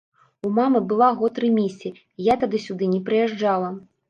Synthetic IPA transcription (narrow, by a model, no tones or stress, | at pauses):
umamɨbɨlˠaɣɔt̪ɾɨmʲisʲi | jat̪ad̪ɨsʲud̪ɨnʲɛpɾɨjɛʐd͡ʐalˠɐ